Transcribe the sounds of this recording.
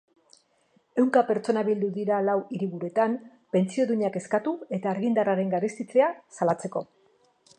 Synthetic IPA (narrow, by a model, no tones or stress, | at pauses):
e̞wŋkape̞ɾt͡so̞naβild̪uðiɾalawiɾiɣuɾe̞t̪am | pe̞nt͡sio̞ðuɲake̞skat̪ue̞t̪aːɾɣind̪araɾe̞ŋɡaɾest̪it͡se̞asalat͡se̞ko̞